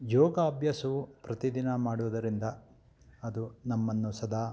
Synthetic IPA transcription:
jɔːɡaːbjɐsuupɾɐt̪id̪inɐmaːɽuʋɐd̪ɐɾind̪ɐ | ɐd̪unɐmːɐnːusɐd̪ʱaː

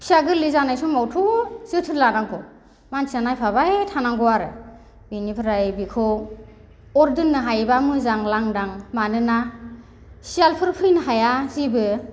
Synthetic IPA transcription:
siaɡɯɾlizanajsɔmawtʰuz̥ɯtʰɯnlanaŋɡɔ | mansianajpʰaβajtʰanaŋɡɔaɾɯ̰ | binipʰɾajbikʰɔw | ɔɾdɯnːɯɦajbamɯzaŋlaŋdaŋmanɯna | sialpʰɯɾpʰɯjnɯɦajazibɯ

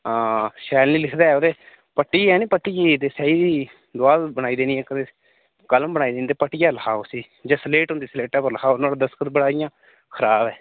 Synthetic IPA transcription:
ʃɛːlniːlɪkʰd̪aːɛoːd̪eː | pəʈːiːɛːnĩːpəʈːiːet̪eːsɛːiːd̪iː | d̪ʊaːbəɽaːiːd̪eːniːɛːkəd̪e | kəlmbəɽaːiːd̪eːniːt̪eːpəʈiːjaːləkʰaːoːsiː | d͡ʒãːsleːʈɦʊ̃nd̪iːsleːʈɛːpəɾləkaːonaːɽaːd̪əskət̪bəɽaːɪjãː | kʰəɾaːbɛː

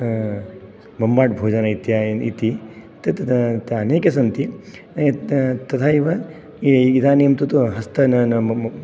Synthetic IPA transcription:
mɐmbaːʈbʱoːd͡ʒɐnɐit̪jaːḭt̪i | t̪ɐt̪t̪ɐneːkɐsɐnt̪i | t̪ɐt̪ʰaːiʋɐ | iid̪aːnijɐmt̪ut̪uɦɐst̪ɐnɐnɐ

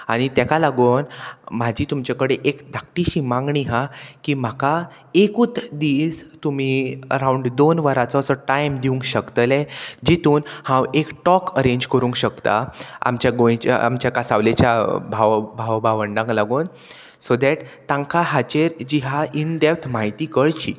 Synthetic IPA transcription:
aɽ̃it̪akalaɡonmad͡ʑʱiːt̪umt͡ɕakəɽeʔekd̪ʱak̚ʈiɕiːmãŋɡɳiɦãkiːm̤aka | ekut̪d̪iːst̪um̤iə̰ɾauɳɖd̪onʋaɾat͡sɔəsɔʈajmd̪iũŋkɕəkt̪əlɛd͡ʑit̪uːnhãwekʈɔkəɾẽɲd͡ʑkəɾũŋkɕəkt̪a̰a̰mt͡ɕjaɡõjt͡ɕa̰a̰mt͡ɕjakasaʋlet͡ɕjabʱaʋbʱaʋbʱaʋəɳɖãŋɡlaɡoːn | sod̪ɛʈt̪ãŋkaɦat͡ɕeɾd͡ʑiɦaiɳɖ̪ept̪ʰmaɦit̪iːkəɭt͡ɕḭː

